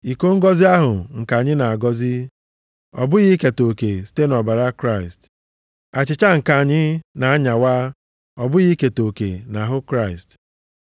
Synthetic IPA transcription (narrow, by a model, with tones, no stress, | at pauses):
i˨ko˦ŋ̩˦ɡɔ˦zi˦a˦ɦʊ˨ŋ̩˨ka˨ɲɪ˦na˨a˨ɡɔ˦zi˦ | ɔ̰˨bʊ˦ɣi˦ke˨to˨ke˨si̥˦te˦nɔ˨ba˨ɾa˦kɾa˦˨ɪ˨st | a˨t͡ʃɪ˨t͡ʃa˦ŋ̩˨ka˨ɲɪ˦na˨a˦ɲa˨waː˦ | ɔ˨bʊ˦ɣi˦ke˨to˨kḛ˨na˨ɦʊ˦kɾa˦˨ɪ˨st